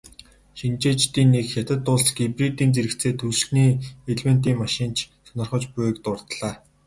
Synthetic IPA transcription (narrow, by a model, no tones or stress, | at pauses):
ʃint͡ɕeːt͡ɕt̪iːnːekxʲat̪ə̆t̪ːʊɮsɡiprit̪iːnt͡seɾɘ̆kt͡sʰeːt̪ʰuɮniːeɮmen̥t̪iːŋmaʃɪ̆nt͡ɕʰsɔnɞ̆rχə̆t͡ɕpʊkt̪ʊrt̪ɮ̥aː